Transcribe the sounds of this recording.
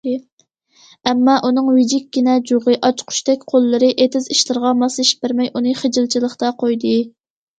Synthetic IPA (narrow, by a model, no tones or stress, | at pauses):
ɛmːɑʔunɨŋvɪd͡ʒikʲkʲːinɛd͡ʒoʁɨʔɑt͡ʃqʰʊ̥ʃt̪ɛkʲqʰolˠːɨɾɨʔet̪ʰɪziʃlˠɨɾʁɑmɑsˠɨʃbɪɾmɛjʔunɨχed͡ʒɪlˠt͡ʃʰilˠəχt̪ɑqʰojd̪ɨ